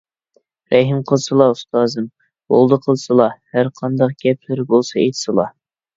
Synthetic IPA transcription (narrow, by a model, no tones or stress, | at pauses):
ɾɛɦɨmqʰəlˠsɨlˠɑust̪ɑːzɨm | bo̰lˠd̪əqʰəlˠsɨlˠɑhæɾqʰɑnd̪ɑq̚ɡ̥ʲɛpʰlɪɾɪbolˠsɑḛjt̪ʰɨ̥sɨlˠɑ̰